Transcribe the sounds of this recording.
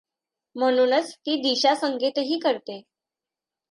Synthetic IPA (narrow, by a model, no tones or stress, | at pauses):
m̤əñuːnət͡st̪iːd̪iɕasəŋɡʱit̪ɦiːkəɾt̪e